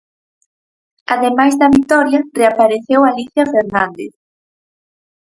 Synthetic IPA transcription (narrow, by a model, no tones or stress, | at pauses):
aðemajzðɐβit̪ɔɾjareapaɾeθewaliθjafeɾnãnd̪ḛθ